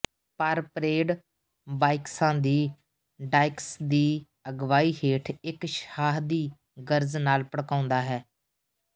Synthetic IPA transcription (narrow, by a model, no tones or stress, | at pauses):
pəɾpɾeːɖ | baːɪksãːd̪iː | ɖaːɪksd̪iː | əɡʋaːiːɦeːʈʰɪkʃaːɦd̪iː | ɡəɾznaːlpəɽkãːʊnd̪aːɦɛː